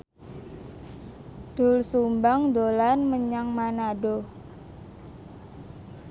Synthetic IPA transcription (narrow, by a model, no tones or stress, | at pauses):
d̪̥ʊlsumbaŋd̪olanməɲaŋmanaɖo